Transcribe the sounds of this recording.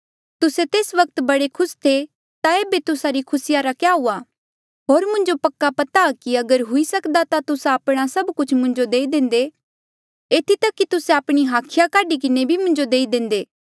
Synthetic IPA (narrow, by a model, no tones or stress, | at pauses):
t̪ʊset̪eːsʋɐk̚t̪bɐɽekʰʊst̪ʰe | t̪aeːbet̪ʊsaɾikʰʊsɪjaɾakjaɦuːa | ɦoːɾmʊ̃ɲd͡ʒopɐkːapɐt̪akiɐɡəɾɦʊisɐkd̪at̪at̪ʊsaːpɽ̃asɐbkʊt͡ʃʰmʊ̃ɲd͡ʒod̪eːid̪ẽːnd̪e | eːt̪ʰit̪ɐkːit̪ʊseaːpɽ̃iɦaːkʰɪjakaːɖik̬ɪnebʱimʊ̃ɲd͡ʒod̪eːid̪ẽːnd̪eː